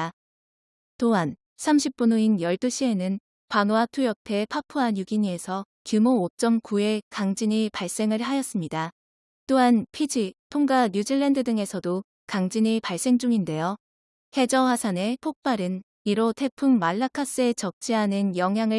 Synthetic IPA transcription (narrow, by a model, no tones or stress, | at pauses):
toɦan | sʰamɕʰip̚p͈unuinjʌɭt͈uɕʰie̞nɯn | kanoatʰujʌk̚tʰe̞pʰapʰuɦanjuɡiɲie̞sʰʌ | kjumoːt͡ɕ͈ʌmkue̞kaŋd͡ʑiɲipaɭs͈e̞ŋɯɭɦajʌs͈ɯmɲida | t͈oɦanpʰid͡ʑipʰuŋɡaɲud͡ʑiɭːendɯdɯŋe̞sʰʌdo | kaŋd͡ʑiɲipaɭs͈e̞ŋd͡ʑuŋinde̞jo | he̞d͡ʑʌwasʰane̞pʰok̚p͈aɾɯn | iɾotʰe̞pʰummaɭːakʰas͈ɯe̞t͡ɕʌk̚t͡ɕ͈iɦanɯnjʌŋɦjaŋɯ